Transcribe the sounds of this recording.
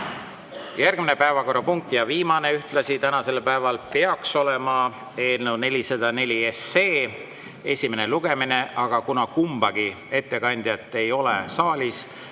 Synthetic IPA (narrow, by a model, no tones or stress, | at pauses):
jærɡ̥mine̞pæevɑko̞rːɑpuŋk̚t̪jɑviːmɑne̞yht̪lɑsit̪ænɑse̞lpæevɑlpeɑkso̞lemɑ | e̞ːlnewne̞lʲised̪̥ɑne̞lʲiese̞ː | e̞sʲime̞ne̞luɡ̥e̞mine̞ʔɑɡ̥ɑkunɑkumb̥ɑɡ̥i | e̞t̪ːe̞kɑnʲd̪̥jɑt̪ːˑe̞jo̞lesɑːlʲis